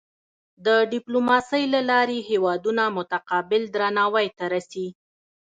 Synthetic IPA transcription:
d̪əɖɪplomɑsəjlalɑɾeɦewɑd̪unamʊt̪aqɑbɪld̪ɾanɑwajt̪aɾasi

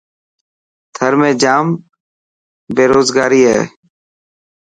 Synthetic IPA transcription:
t̪ʰəɾmẽːd͡ʒaːm | beːɾoːzɡaːɾiːɦɛ̰ː

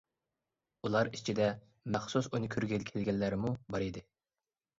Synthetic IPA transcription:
ulˠɑɾit͡ʃʰid̪ɛ | mæχsusunɪkʲʰyɾɡʲɛlkʲʰelɡʲɛlːæɾɪmubɑɾid̪ɪ

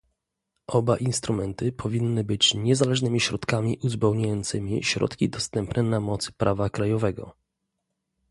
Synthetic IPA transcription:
ʔɔbaʔinst̪ɾumɛnt̪ɘpʰɔvʲinːɘbɘt͡ɕɲɛzalɛʐnɘmʲiɕɾɔt̪kamʲiʔuzbɛwɲajɔnt̪sɘmʲḭɕɾɔ̰t̪kʲid̪ɔst̪ɛmpnɛnamɔt̪sɘ̥pɾʔavakɾajɔvɛɡɔ̰

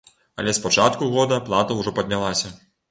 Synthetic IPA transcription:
ɐ̰lʲɛspat͡ʂat̪kuɣɔd̪ɐplˠat̪ɐwʐɔpɐd̪̚ʲnʲalˠasʲɐ

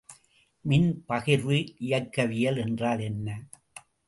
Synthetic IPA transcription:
mɪnpɐɣɪɾʋɯʔɪjɐkːɐʋɪjɐlɛndraːlɛnːɐ

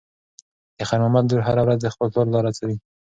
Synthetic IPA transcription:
d̪̥əxanɑmat̪̚d̪uɾɦaɾawɾazd̪əxpəlt̪oɾlɑɾat͡sawi

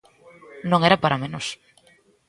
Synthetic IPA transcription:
nõŋɛɾapaɾamẽnos

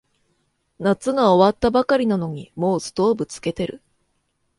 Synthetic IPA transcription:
nat͡sɨɡao̞βat̪ːabakaɾʲinano̞ɲ̟imo̞ːsɨ̥t̪o̞ːbɯ̟t͡sɨ̥ke̞t̪e̞ɾɯ̟

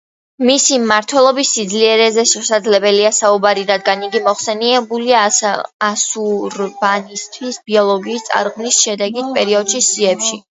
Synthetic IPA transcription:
misimaɾt̪ʰwɛlˠɔbisːid̪zliɛɾɛzɛʃɛsad̪zlɛbɛliasaubaɾiɾad̪ɡaniɡimɔχsɛniɛbuliaː | suɾbanist̪ʰwisb̥iɔlˠɔɡiːst̪sʼa̰ɾʁmnisʃɛd̪ɛɡit̪̚ʰpʼɛɾiɔd̪̥ʃisiɛpʃi

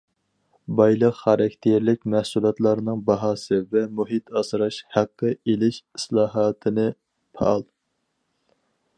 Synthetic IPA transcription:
bɑjlˠəqχɑɾɑkʲt̪ʰeɾlɪk̚ʲmæhsulˠɑt̪lˠɑɾnɨŋbɑɦɑːsɨvɛmuɦit̪ʰɑsɨɾɑʃhæqːəelɪʃi̥slˠɑːɦɑːt̪ʰɨnɨ | pʰɑ̰ɑlˠ

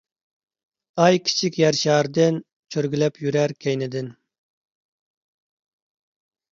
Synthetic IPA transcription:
ɑjkʲʰi̥t͡ʃʰikʲjæɾʃɑːɾd̪ɪn | t͡ʃʰøɾɡʲylɛpʰjyɾæɾkʲʰɛjnɪd̪ɪn

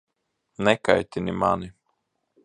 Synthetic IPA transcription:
nɛka̰jt̪ʲinimani

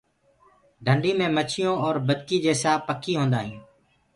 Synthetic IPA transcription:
ɖʱəɳɖʱiːmẽːmət͡ʃʰɪjõːɔːɾbəd̪kiːd͡ʒeːsaːpːəkʰiːɦõːnd̪aːɦĩː

